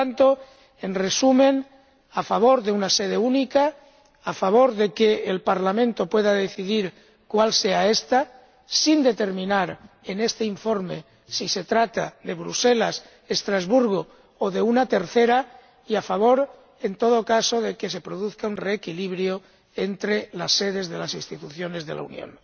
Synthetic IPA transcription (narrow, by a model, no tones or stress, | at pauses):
ant̪o | enre̞sumẽ̞n | afaβ̞o̞ɾðe̞unase̞ð̞e̞unika | afaβ̞o̞ɾðe̞keːlpaɾlamẽ̞nt̪o̞pwe̞ðaðe̞θiðiɾ | kwalse̞ae̞st̪a | sind̪e̞t̪e̞ɾmĩnaɾ | ene̞st̪eiɱfo̞ɾme̞ | sise̞t̪ɾat̪aðe̞βɾuse̞las | est̪ɾazβuɾɣ̞o | oðe̞unat̪e̞ɾθe̞ɾa | iafaβ̞o̞ɾ | ent̪o̞ð̞o̞kaso̞ðe̞ke̞se̞pɾo̞ðuθkaunre̞ːkiliβɾjo̞ | ent̪ɾe̞lasːe̞ð̞e̞zðe̞lasinst̪it̪uθjo̞ne̞zðe̞la̰ṵnjõ̰n